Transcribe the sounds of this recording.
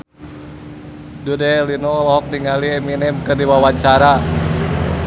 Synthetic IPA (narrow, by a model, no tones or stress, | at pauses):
dudɛlinɔlɔɦɔk̚niŋaliɛminɛmkɨrdiwawaɲt͡ʃaɾa